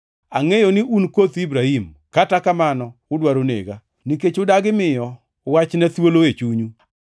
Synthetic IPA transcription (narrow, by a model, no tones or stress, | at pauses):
aŋejonɪʔunkot̪ibɾahim | katakamanɔʊdwaɾonḛɡa | niket͡ʃʊdaɡɪmɪjɔ | wat͡ʃnat̪woloet͡ʃuɲu